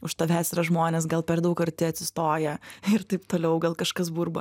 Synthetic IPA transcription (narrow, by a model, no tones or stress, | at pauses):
ʊʃt̪ɐʋʲæːsʲɾɐʒmoːnʲeːs̬ɡɐlˠpʲɛɾd̪ɐʊkɐɾʲt̪ʲɪɐt̪ʲsʲɪst̪oːjɛɪɾt̪ɐɪpt̪oːlʲɛʊɡɐlˠkɐʃkɐsbuːɾbɐ